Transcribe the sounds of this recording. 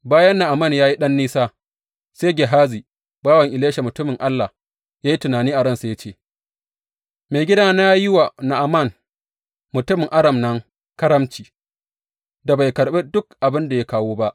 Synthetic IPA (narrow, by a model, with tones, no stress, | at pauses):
baː˦jɐ˦nːa˨ʔa˨mɐ˦˨njaː˦ji˦ɗɐ˦nːiː˦saː˦ | se˦ɡʲe˨ɦaː˦ziː˨ | baː˦wɐ˨ŋʔɪ˨leː˦ʃa˨mʊ˨tʊ˦mɪ˨ŋʔa˦lːa˨ | jaː˦ji˦tʊ˨naː˨niː˦ʔa˨ɽɐ˦˨nsa˨ja˦t͡ʃeː˦˨ | meː˨ɡʲɪ˦daː˦na˦jɪ˦wa˨na˨ʔa˨mɐ˦˨n | mʊ˨tʊ˦mɪ˨ŋʔa˦ɽɐ˨mnɐ˦ŋ | kɐ˦ɾɐ˦mt͡ʃiː˨ | da˨ba˨jkɐ˨ɽɓeː˦dʊ˦kʔa˨bɪ˦nda˨ja˦kaː˦woː˦ba˦ʔ